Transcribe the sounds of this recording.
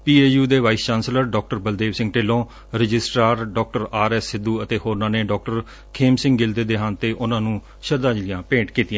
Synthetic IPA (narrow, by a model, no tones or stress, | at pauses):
piːeːjuːd̪eːʋaːist͡ʃaːnsləɾɖɔːk̚ʈəɾbəld̪eːʋsɪ̃ŋɡʈeːlõː | ɾɪd͡ʒɪsʈɾaːɾɖɔːk̚ʈəɾaːɾɛːsːɪd̪ːuːət̪eːhoːɾnãːneːɖɔːk̚ʈəɾ | kʰeːmsɪ̃ŋɡɡɪld̪eːd̪eːɦãːnt̪eːʔʊnãːnũː | ʃəd̪aːd͡ʒlɪjãːpẽːɳʈkiːt̪ɪjãː